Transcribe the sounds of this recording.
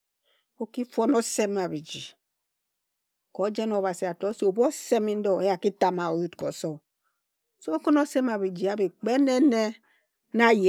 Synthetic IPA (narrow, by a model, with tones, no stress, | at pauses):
o˦ki˦fo˦no˦se˦ma˨βi˨d͡ʒi˨ | ko˨˦d͡ʒe˦no˨βa˨si˨a˨tɔ˨˦si˨o˨bo˦se˦mi˦n̩˦dɔ˦˨e˦ja˨ki˦ta˨ma˨o˨ju˦tko˨sɔ˦ | so˦ko˦no˦se˦ma˨βi˨d͡ʒi˨a˨bi˨k͡pe˦ne˦ne˦ | na˦je˨